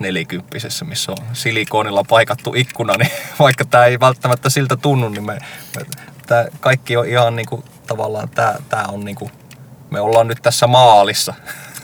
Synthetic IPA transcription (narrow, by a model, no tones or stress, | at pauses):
nelikympːisesːæmisːõnsilikoˑːnilːɑpɑikɑt̪ːṵʔikːunɑniʋɑikːɑt̪æːeiʋælt̪ːæmæt̪ːæsilt̪æt̪unːunnimmemḛt̪æːkɑikːioʔihɑnniːŋku | t̪ɑʋɑ̰lːˑɑ̰ːnt̪æːt̪æːonniːŋku | meolːɑːnnyt̪t̪æsːæmɑːlisːɑ